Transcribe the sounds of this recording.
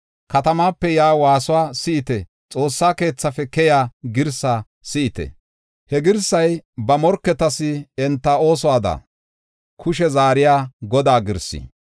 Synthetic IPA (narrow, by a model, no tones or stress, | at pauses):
kɐt̪ɐmaːpːɛjaːwaːsʊwaːsɪɪt̪ɛ | t͡sʼo̞ːsːaːke̞ːt͡sːɐfɛkɛjaːɡɪɾsaː | sɪʔɪt̪ɛ̰ | hɛɡɪɾsɐjbɐmɔɾkːɛt̪ɐsɪɛnt̪ːɐo̞ːs̬ɔaːd̪ɐ̰ | kʰʊʃɛzaːɾɪjaːɡɔd̪aːɡɪɾsḭ